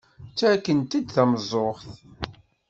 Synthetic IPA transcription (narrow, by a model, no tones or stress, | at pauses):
t͡sːækːənt̪id̪θæməzˤoχθ